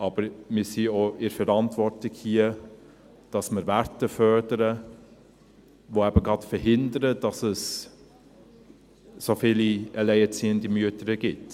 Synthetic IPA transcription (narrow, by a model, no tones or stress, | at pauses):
ʔɑbəɾmɪsioɪɾfɛɾɑntvɔrtlɪkhiə | d̥ɑsməɾvæɾtəfœɹdəɾə | voæbəɡɑtfəɾɦɪndəɾəd̥ɑsəs | sofiːliɛlɛɪət͡siːəndimyətəɾəɡɪt